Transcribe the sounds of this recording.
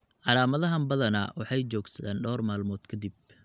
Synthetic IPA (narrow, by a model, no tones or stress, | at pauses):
ʕɑlaːmɐðɐɦɐmbɐðɐnɐ̰wɑħɑjt͡ʃɔːɡsɐaːnɖɔːrmaːlmɔːd̪kʰɐd̪ib̚